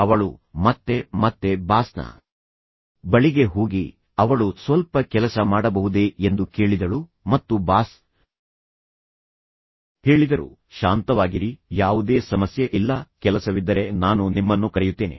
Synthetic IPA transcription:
ɐʋɐɭumɐt̪ːe̞mɐt̪ːe̞baːsnɐ̰ | bɐɭiɡe̞ɦoːɡi | ɐʋɐɭusʋɐlpɐkɛlɐsɐmaːɽɐbɐɦud̪e̞end̪uke̞ːɭid̪ɐɭu | mɐt̪ːubaːs | he̞ːɭid̪ɐɾṵ | ʃaːnt̪ɐʋaːɡiɾijaːʋud̪eːsɐmɐsjɐʔilːɐkɛlɐsɐʋid̪ːɐɾe̞naːnunimːɐnːukɐɾɛjut̪ːe̞ːnḛ

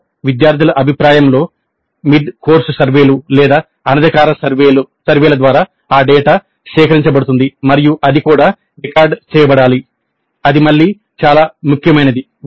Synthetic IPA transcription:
ʋid̪jaːɾt̪ʰilɐʔɐbʱipɾaːjɐmlo̞ː | mid̪koːɾsusɐɾʋe̞ːlulɛːd̪aː | ɐnɐd̪ʱɐkaːɾɐsɐɾʋeu | sɐɾʋeːlɐd̪ʋaːɾaː | aːɖɛːʈaː | ʃɛːkɐɾiɲt͡ʃɐbɐɽut̪und̪imɐɾijuʔɐd̪ikuːɽaː | ɾikaːɾɖt͡ʃɛːjɐbɐɽaːli | ɐd̪imɐɭːiː | t͡ʃaːlaːmukʰjɐmɐjnɐd̪i

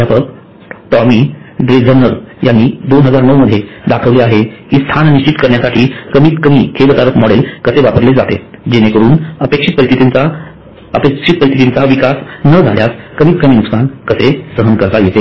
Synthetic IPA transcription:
japək̚ | ʈ̪ɔmiːɾed͡zəɾnəɾjanːiːd̪onɦəd͡zaɾnəwməd̪ʱjed̪akʰəʋleaɦeiːst̪ʰanniɕt͡ɕit̪kəɾɳjasaʈʰiːkəmiːt̪kəmiːkʰeʋət̪aɾəkmɔɽelkəseʋapəɾled͡zat̪ḛd͡ʑenekəɾuːnəpekʂit̪̚pəit̪ʰit̪int͡sa | əpekʂit̪̚pəɾit̪ʰit̪int͡saʋikasnəd͡zʱa̰ljaskəmiːt̪̚kəmiːnuksankəsesəɦənkəɾt̪ajet̪e

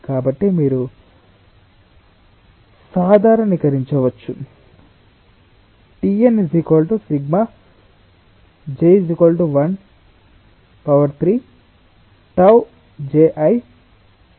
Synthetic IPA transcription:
kaːbɐʈːimiːɾu | saːd̪ʱaːɾɐnʋikɐɾiɲt͡ʃɐʋɐt͡ʃːu | ʈiensikoːlʈusiɡma | d͡ʒejzikolʈuʋɐn | pɐʋɐɾt̪ʰɾiː | ʈɐw | d͡ʒeːʔɐj

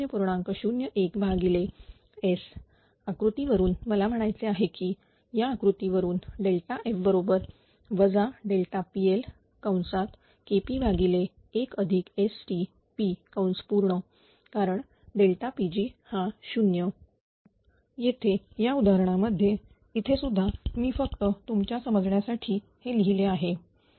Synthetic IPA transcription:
jəpuɾɳ̃ãŋkəɕunjəʔekbʱaɡile | es | akɾut̪iʋəɾuːnməlam̤əɽ̃ajt͡seaɦekiː | jaːkɾut̪iʋəɾuːnɖelʈaʔefbəɾobəɾ | ʋəd͡zaɖelʈ̪apiel | kawnsat̪ | kepibʱaɡileː | kəd̪ʱikesʈi | pikawnspuɾɳə | kaɾəɳ | ɖelʈapid͡ʑiːhãɕunjə | jet̪ʰejaud̪aɾəɳ̃aməd̪ʱːje | it̪ʰesud̪ʱːamiːfəkt̪ət̪umt͡ɕjasəməd͡zɳjasaʈʰiː | heliɦileaɦe

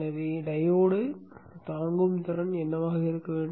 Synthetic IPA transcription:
ɐɾiɖɐjoːɽɯt̪aːŋɡɯmt̪ɪrɐnɛnːɐmaːɣɐɪɾɯkːɐʋeːɳɖ

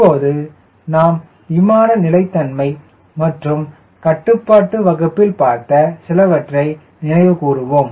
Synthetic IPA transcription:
pːoːðɯ | naːm | ɪmaːɾɐnɪlɐɪt̪ːɐnmɐɪ | mɐʈrɯm | kɐʈːɯpːaːʈːɯʋɐɣɯpːɪlpaːɾt̪ɐsɪlɐʋɐʈrɐɪ | nɪnɐɪʋɯkuːrɯʋoːm

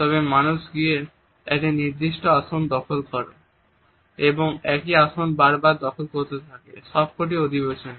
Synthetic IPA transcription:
t̪ɔbemanuʃɡije | ɛʈiniɾd̪iʃʈoaʃond̪ɔkʰolkɔɾḛ | eboŋɛkiaʃonbaɾbaɾd̪ɔkʰolkoɾt̪et̪ʰakḛʃɔb̚kʰoʈ̬iod̪ʱibeʃon

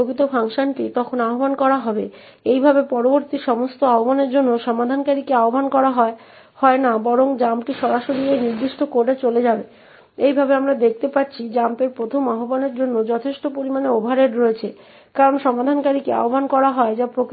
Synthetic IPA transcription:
oɡit̪ofʰaŋʃanʈit̪ɔkʰonaɦobankɔɾaɦɔbe | ejbʱabepɔɾoboɾt̪iʃɔmost̪oaɦobaneɾd͡ʑonːoʃɔmad̪ʱankaɾikeaobankɔɾaɦɔe | hɔenabɔɾoŋd͡ʑamʈiʃɔɾaʃoɾieniɾd̪iʃʈʰokoɖet͡ɕoled͡ʑabe | ejbʱabeamɾad̪ek̚ʰt̪epat̚ːt͡ɕʰid͡ʑampeɾpɾot̪ʰomaɦobaneɾd͡ʑonːod͡ʑɔt̪ʰeʃʈopoɾimaneobʱaɾeɖɾoet͡ɕʰe | kaɾonʃɔmad̪ʱankaɾikea̰ɦobankɔɾaɦɔed͡ʑapɾok

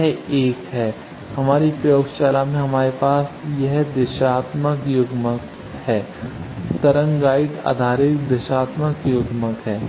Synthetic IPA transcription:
eːkɦɛː | hɐmaːɾipɾəjoːɡʃaːlamẽɦɐmaːɾepaːsjɛɦd̪ɪʃaːt̪məkjʊɡmək | hɛː | t̪ɐɾə̃ŋɡaːɪɖa̰ːd̪ʱaːɾɪkd̪ɐʃaːt̪məkjʊɡməkɦɛː

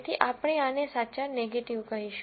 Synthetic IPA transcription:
t̪ʰiʔapɽ̃eanesat͡ʃaneɡeʈiʋkəɾiʃ

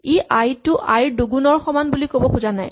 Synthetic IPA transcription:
eʔajtʊʔajɹduɡunɔɹxɔmanbulikobɔxuzanaj

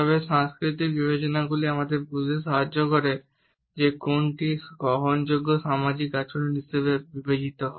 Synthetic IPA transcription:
ɔβeʃaŋskɾit̪ikbibed͡ʑonaɡuliamad̪eɾbud͡ʒʱeʃɔɦad͡ʑːokɔɾe | d͡ʑekonʈiɡɾɔɦond͡ʒoɡːoʃamad͡ʑikːat͡ʃoɽonisebebibed͡ʑit̪oɦɔ̰e

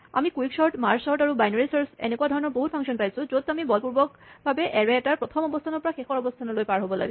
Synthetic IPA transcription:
a̰mikuiksɔɹtmaɹsɔɹtaɹubajnɔɹisɔɹsɛ̰nekuadʱɔɹɔnɔɹboɦut̚pʰɔŋksiɔnpajsʊ̃zot̚ːamibɔlpuɹbɔk̚ | bʱabɛʔɛɹɛɛtaɹpɹɔt̪ʰɔmɔbɔstʰanɔɹpɔɹaxexɔɹɔbɔstʰanɔlojpaɹɦobɔla̰ɡis

